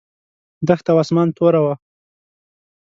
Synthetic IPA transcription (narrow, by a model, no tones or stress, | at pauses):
d̪əxt̪awɑsmɑnt̪oɾawa